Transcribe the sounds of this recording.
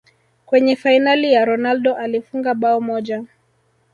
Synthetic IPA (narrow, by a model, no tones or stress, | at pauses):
kwɛɲɛfainalijaɾɔnaldɔʔalifuŋɡaɓaɔmɔʄa